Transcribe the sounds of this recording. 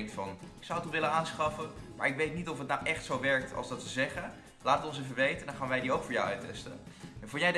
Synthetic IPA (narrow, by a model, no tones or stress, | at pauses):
ŋtfɑnɪksawətɔnʋɪlənaːnsχɑfəmaːɹɪkʋejtnitɔfətnawʔɛχtsowʋɛɹk̚tʰɑ̰lˠsdɑtʋəzɛχə | laːtəɔnsɛfəʋejtəndɑnχaːnʋɛjdiowkfʊːɹja̰wœɥtɛ̰stə̰ | ɛnfʊːjɛjd